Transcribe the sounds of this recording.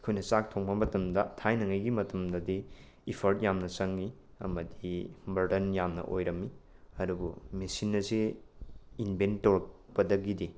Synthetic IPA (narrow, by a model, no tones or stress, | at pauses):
kʰujnɐsak̚tʰoŋbɐmɐtɐmdɐtʰajnɐŋɐjɡimɐtɐmdɐdi | ipʰɐɾt̚jamnɐsɐŋːi | ɐmɐdibɐɾdɐnjamnɐ̰ʔojɾɐmːi | ɐdubṵmesinːɐse | inbʱentːoɾɐk̚ | pɐdɐɡidi